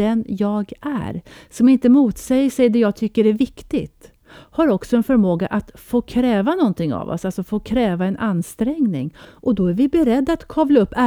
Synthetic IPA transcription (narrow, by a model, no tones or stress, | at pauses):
ɛnjɑːɡæ̰ɾsɔmɪnt̪əmuːt̪sɛjəʂɛjd̪ɛjɑːɡt̪ʰʏkːəɾɛvɪkt̪ɪɡt̪ | haɾɔksɔɛnfœɾmoːɡaʔat̪foːkʰɾɛːvanɔnt̪ʰɪŋːa̰vɔ̰salsɔfoːkʰɾɛːvaɛnʔanːst̪ɾɛŋnɪ̰ŋʔɔd̪ɔæɾvɪbɛɾɛd̪ːaat̪kʰɔvlaɵpːæ